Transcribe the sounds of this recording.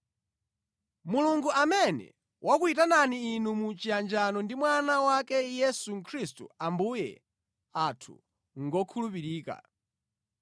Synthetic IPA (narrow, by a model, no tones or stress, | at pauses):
muluŋɡuʔamɛnɛ̰ | wʔakuitananiːnumut͡ʃijand͡ʒanɔndimwanawakɛjɛsuŋ̩kʰɾistṵambujɛ̰ | atʰṵ | ŋɡɔkʰulupiɾiːka̰